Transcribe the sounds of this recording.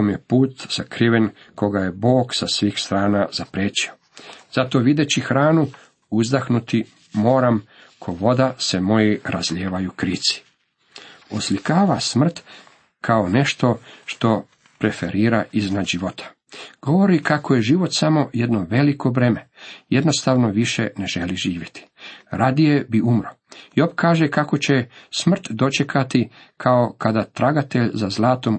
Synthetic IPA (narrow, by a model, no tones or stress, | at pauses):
omjepuːt̪z̥akɾiʋe̞n | ko̞ɡaje̞bo̞ːksasʋiːxst̪ɾaːnazapɾeːt͡ɕio̥ | z̥at̪o̞ʋid̪et͡ɕixɾaːnu | uzd̪axnut̪i | mo̞ːɾam | kʰo̞ʋo̞d̪ase̞mo̞jiɾazʎeːʋajukɾit̪si̥ | oslikaːʋasmr̩t̪ | kʰaone̞ʃt̪o̞ʃt̪o̞ | pɾe̞fe̞ɾiːɾaʔiznad̪ʒiʋo̞t̪ʰḁ | ɡ̥o̞ʋo̞ɾikakʰojeʒiːʋo̞t̪samo̞je̞d̪noʋe̞likʰo̞ʋɾeme̞je̞d̪no̞st̪aːʋnoʋiʃḛne̞ʒe̞liʒiːʋjet̪ʰi̥ɾad̪ijebiumɾo | iopkaːʒekako̞t͡ɕesmr̩t̪d̪o̞t͡ʃekʰat̪i | kʰaokad̪at̪ɾaɡat̪eʎzazlˠaːt̪o̞m